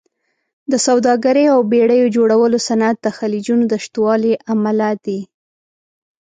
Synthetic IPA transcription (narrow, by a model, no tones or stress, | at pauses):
d̪əsawd̪ɑɡaɾəjawbeɽəjod͡ʒoɽawəlosanat̪̚d̪əxalid͡ʒunod̪əʃt̪wɑliʔamalad̪i